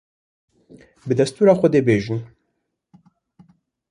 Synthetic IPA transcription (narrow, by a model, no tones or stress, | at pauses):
bɨd̪ɛst̪uːɾaːxʷɛd̪ebeːʒɨn